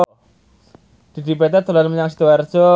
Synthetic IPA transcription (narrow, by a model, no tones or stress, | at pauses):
d̪̥i̤d̪i̤pɛt̪ɛt̪olanməɲaŋsi̥t̪uward͡ʒ̥ɔ